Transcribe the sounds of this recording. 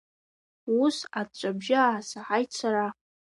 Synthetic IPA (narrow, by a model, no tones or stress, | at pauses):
usatt͡ʃʷʼabʒaasaħajt͡sʰaɾa